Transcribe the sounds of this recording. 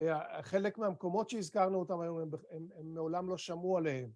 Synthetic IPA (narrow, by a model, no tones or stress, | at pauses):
aχe̞le̞kmeamko̞mo̞tʃeizkaʁnuot̪amajomembeememːeolamlo̞ʃamualehem